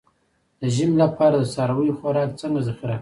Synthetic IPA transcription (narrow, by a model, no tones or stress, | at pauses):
d̪əʒimlapʰɑɾad̪əsɑɾawəjoxʷwaɾɑkt͡səŋɡazaxɾa